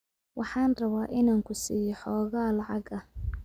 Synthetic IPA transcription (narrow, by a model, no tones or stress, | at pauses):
wʔɑħɑːnrɐβaːʔɪnaːŋkʰʊsḭːjɔħɔːɣaːlɑʕɑɡɐh